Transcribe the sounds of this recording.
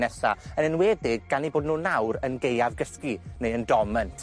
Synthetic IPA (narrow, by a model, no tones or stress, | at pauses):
nɛsa̰ənənwɛːdɪɡɡ̥aniboːdnuːnawɾənɡejavɡəskinejəndɔməntʰ